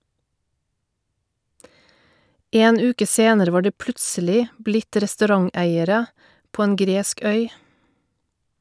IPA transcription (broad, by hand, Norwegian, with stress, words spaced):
ˈeːn ˈʉːkə ˈseːnəɾə ˈʋɑː ˈɖiː ˈplʉtsəlɪ ˈblɪt ɾɛstʉˈɾɑŋˌæɪəɾə ˈpoː ˈeːn ˈɡɾeːsk ˈœʏ